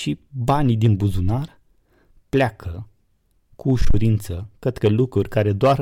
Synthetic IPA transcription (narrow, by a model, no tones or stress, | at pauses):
ʃibanid̪inbuzunar | plʲakʰə | kuːʃuɾint̪səkɾet̪kəlukɾurʲkaɾe̞d̪oar